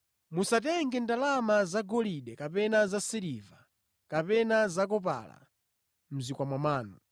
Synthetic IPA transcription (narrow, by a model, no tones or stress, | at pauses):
musat̬ɛŋɡɛndalamazaɡɔliɗɛkapɛnazasiɾiva | kapɛnazakɔp̬a̰la̰ | m̩zikwamwamaːnu